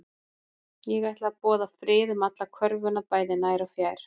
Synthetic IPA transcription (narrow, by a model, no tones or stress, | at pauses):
jɛɣaht̪laapɔːðafɾɪːðʏmat̪lakʰvœɾvʏnapaːjðɪnaːjɾawfjaːjɾ̥